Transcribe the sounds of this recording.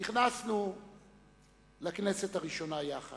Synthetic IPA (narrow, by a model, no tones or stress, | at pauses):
niχnasnu | lakne̞se̞thaʁiʃo̞najaχa̰